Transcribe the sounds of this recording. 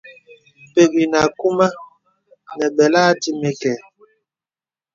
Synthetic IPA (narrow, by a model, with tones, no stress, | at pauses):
pe˨ɡi˨na˨ku˦ma˦ | nɛ˨ɓɛ˨la˦ti˦mɛ˦kɛ˨